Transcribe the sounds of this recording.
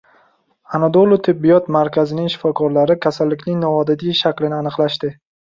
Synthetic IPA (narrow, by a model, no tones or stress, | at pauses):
anad̪olˠot̪ʰɪbːijɒt̪maɾkʲʰazɪnɪŋʃɪ̥fɒkʰɒɾlaɾɪkʲʰasalːɪkʲnɪŋnɒvɒd̪ad̪iʃakʲlɪnɪanɨqlaʃt̪ɪ